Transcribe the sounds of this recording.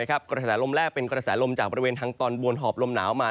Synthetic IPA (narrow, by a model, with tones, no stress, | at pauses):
kʰa˦˥p̚kɾa˧sɛː˩˦lo˧mɾɛː˥˩k̚pe˧nkɾa˧sɛː˩˦lo˧mt͡ɕaː˨˩k̚bɔː˧ɾi˧weː˧nt̪ʰaː˧ŋt̪ɔː˧nbu˧ənɦɔː˨˩p̚lo˧mnaː˩˦wmaː˧